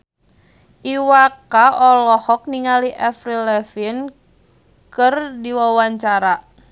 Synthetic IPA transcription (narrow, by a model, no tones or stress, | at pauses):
ʔiwakaʔɔlɔhɔk̚niŋaliʔafɾilɛfin | kərdiwawaɲt͡ʃaɾa